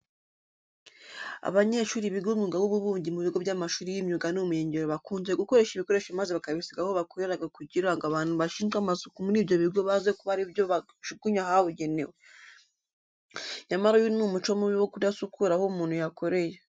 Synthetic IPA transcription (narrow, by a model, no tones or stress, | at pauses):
a̰βaɲe̞ʃuːɾiβiɡomɲuɡawuβuβuːɲɟimuβiɡo̞βɟamaʃuːɾijimɲuɡanumuje̞ːɲɟe̞ɾoβakuːnze̞ɡuko̞ɾe̞ʃiβiko̞ɾe̞ʃamazeβakaβisiɡahoβakoɾeɾaɡakuɟiɾaŋɡaβaːn̥huβaʃiːnɡamasukumuɾiːbɟo̞βiɡoβazekuβaɾibjoβa | ʃuɡuɲahaβuɟe̞ne̞̰we | ɲamaɾojunumut͡ʃomuβiwokudasukʰuɾahomuːnhujakʰo̞ɾe̞je